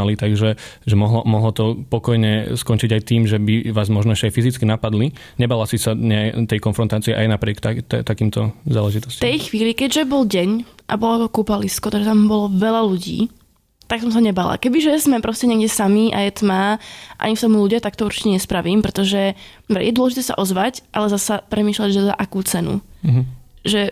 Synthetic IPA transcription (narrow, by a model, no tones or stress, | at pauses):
alit̪aɡʒɛʒɛmɔɦlɔmɔɦlɔt̪ɔpɔkɔjɲɛskɔnt͡ʃiɟajt̪iːmʒɛbiʋaːzmɔʒnɔɛʃcɛajfizit͡skinapad̪li | ɲɛbaːlasisaɲɛt̪ɛjkɔnfɾɔnt̪aːt͡siɛʔajnapɾɪɛkt̪at̪akiːmt̪ɔzaːlɛʒit̪ɔ̥sct̪ɛjxʋiːlikɛɟʒɛbɔlɟɛɲʔa̰bɔlɔɔkupaliskɔt̪ɔʒɛt̪ambɔlɔʋɛlaluɟḭː | t̪aksɔmsaɲɛbaːla̰kɛbiʒɛzmɛpɾɔscɛɲɛɡɟɛsamiʔa̰jɛt̪maːʔa̰ɲift̪ɔmuluɟɪat̪akt̪ɔuɾt͡ʃi̥cɛɲɛspɾaʋiːmpɾɛt̪ɔʒɛ | bɛ̰jɛd̪wɔlɛʒit̪ɛːsa̰ʔɔzʋacʔalɛzasapɾʔɛmiːʃlaɟʒɛza̰ʔakuːt͡sɛnṵɦʒɛ